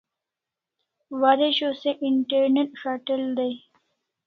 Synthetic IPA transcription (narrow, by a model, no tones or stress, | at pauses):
waɾeɕoseʔɪɳʈeɾneʈʂaʈəld̪ej